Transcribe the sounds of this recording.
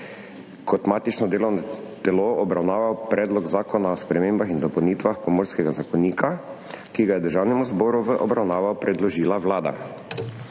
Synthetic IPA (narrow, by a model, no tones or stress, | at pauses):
kʰɔt̪maːt̪it͡ʃnɔd̪eːlɔwnɔt̪ɛloɔbɾawnaːʋawpɾʔɛːd̪lɔɡzaːkɔnaɔspɾɛmeːmbaxind̪ɔpɔwniːt̪ʋaxpɔmoːɾskɛɡazakɔniːkakiɡajɛd̪əɾʒawnɛmuzbɔːɾuʋəʔɔbɾawnaːʋawpɾɛd̪lɔʒiːlawlaːd̪a̰